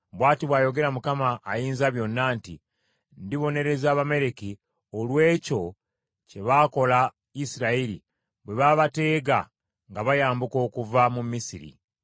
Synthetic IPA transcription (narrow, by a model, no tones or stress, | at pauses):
βwaːtiβwaːjo̞ɡe̞ɾamukamaːjiːnzaβjo̞nːaːnti | ndiβo̞ne̞ɾe̞zaːβame̞ɾe̞ki | olwe̞ːco̞ | ce̞βaːko̞la | isiɾaiɾḭ | βwe̞βaːβate̞ːɡa | ŋɡaβajaːmbuko̞ːkuvamumːisiɾḭ